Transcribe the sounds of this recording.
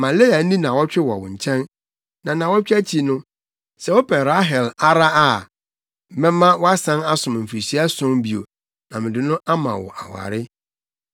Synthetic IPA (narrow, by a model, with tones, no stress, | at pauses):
mã˨le˦a˨n̩˦nĩ˦nã˨wɔ˦t͡ɕᶣɪ˦wɔ˨wʊ̰̃˨ɲ̩˨t͡ɕʰɛ̃˦n | nã˨nã˨wɔ˦t͡ɕᶣæ˦t͡ɕʰi˨nʊ̃˦ | sɛ˨˦wɔ˦pʰɛ˨ɾa˦ɦɛ˨la˦ɾa˦a˦˨ | m˨mɛ̃˦mã˦wɔ˦a˦sã˦na˦sʊ̃˨m˨m̩˨fi˨si˦a˦sʊ̃˦mbi˨o̰˨ | nã˨mɪ̃˨dɪ̃˨nʊ̃˦ʔa˦mã̰˨wɔ̰˨ʔa˨wa̰˨ɾɪ˦